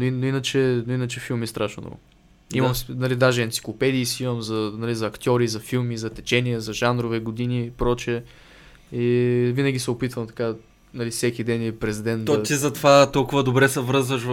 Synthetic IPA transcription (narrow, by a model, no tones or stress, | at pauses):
noinoinət͡ʃɛnoinət͡ʃɛfilˠmist̪ɾʔaʃno̰ɔ̰ɡʊ̰ | imɐmnɐlid̪aʒɛɐnt̪sʲi̥klˠopɛd̪iːsiiməmzɐnɐlizɐːkt̪ʲɔɾizɐfilˠmizɐt̪ɛt͡ʃɛniəzɐʒanɾovɛɡod̪inipɾɔt͡ʃɛ | ivinəɡʲisɛopit̪vəmt̪ɐ̥ka | nɐlisɛkʲid̪ɛnipɾɛzʲd̪ɛnd̪oɐt̪izɐt̪ovat̪ɔlˠkʊvəd̪obɾɛsɛvɾɤzvəʃv